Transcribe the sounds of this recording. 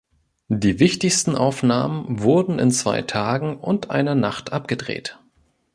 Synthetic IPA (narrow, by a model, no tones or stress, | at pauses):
d̥iːvɪçtɪçstn̩ʔaʊfnaːmənvʊɐdn̩ɪ̰nt͡sv̥a̰ɪtʰaːɡŋ̩ʊntʔa̰ɪnɐnaχtʔap̚ɡ̥ədʁḛːt